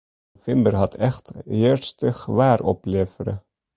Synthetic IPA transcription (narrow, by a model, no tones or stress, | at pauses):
fɪmbərɦɑtʰɛχthɪːərstəχəʋaːrɔ̰pleːfəɾə̰